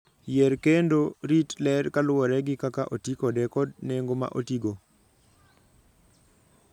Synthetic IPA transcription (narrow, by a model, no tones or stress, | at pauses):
jɛɾkendoɾitlɛɾkalʊwɔɾɛɡɪkakaʔotikɔdɛkɔdneŋɡoma̰ʔotiɡo